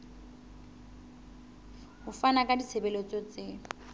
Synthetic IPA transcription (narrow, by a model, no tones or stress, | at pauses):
hʊfanakʼadit͡sʰebɛlɔt͡sʼot͡se